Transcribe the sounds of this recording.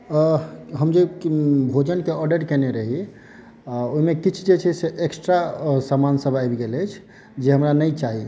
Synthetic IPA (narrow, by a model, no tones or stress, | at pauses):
ɦəmd͡ʒebʱod͡ʒənkeɔɾɖəɽkeneɾəɦi | oɦimekit͡ʃʰd͡ʒet͡ʃʰɛseʔeksʈɾasamansəbʱajbɡeləjt͡ʃʰ | d͡ʒeɦəmɾanəjt͡ʃaɦi